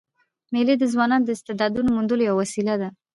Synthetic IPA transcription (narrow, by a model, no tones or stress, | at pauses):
meled̪əzwɑnɑnod̪əɪst̪ɪd̪ɑd̪unomund̪əlojawwasilad̪a